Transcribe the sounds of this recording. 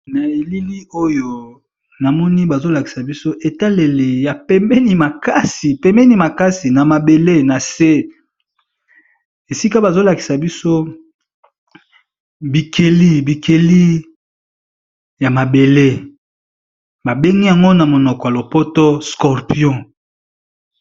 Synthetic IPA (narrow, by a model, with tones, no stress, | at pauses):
na˨e˨li˦li˦o˦jo˨ | na˨mɔ˦ni˦ba˨zo˦la˨ki̥˨sa˨bi˦so˦ʔe˨ta˦le˨le˨ja˨pɛ˦mbɛ˦ni˦ma˨ka˦si˨pɛ˦mbɛ˦ni˦ma˨ka˦si˨na˨ma˨be˨le˦na˨se˦ | e˨si˦ka˦ba˨zo˦la˨ki̥˨sa˨bi˦so˦ | bi˨kʰe˨li˦bi˨kʰe˨li˦ | ja˨ma˨be˨le˦ | ba˨be˦ŋɡi˦ja˨ŋɡo˦na˨mo˨nɔ˨kɔ˨ja˨lo˨po˦to˦skɔ˨ʁpi˦ɔ̃˦